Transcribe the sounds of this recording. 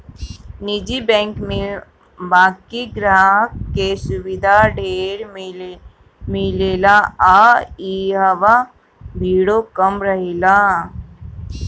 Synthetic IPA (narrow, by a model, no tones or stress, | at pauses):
nid͡ʒibɛ̃ːŋkme | baːkiɡɾaɦkkesʊʋɪd̪ʱaɖʱeːɾ | mɪleːlaaːiɦəʋa | bʱiːɽokəmɾəɦela